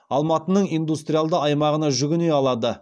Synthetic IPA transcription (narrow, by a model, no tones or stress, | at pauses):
ɑlˠmɑt̪ənəɴijnd̪ust̪ɾʲijalˠd̪əɑjmɑʁənɑʒʏɡʲɪnejɑlˠɑd̪ə